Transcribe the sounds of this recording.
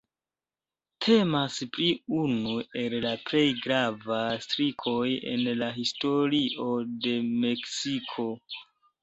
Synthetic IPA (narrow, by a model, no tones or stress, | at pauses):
tʰe̞maspɾiunue̞llaple̞jɡɾavastɾikʰo̞je̞̰nlaɦisto̞ɾiʔo̞de̞me̞ksikʰo̞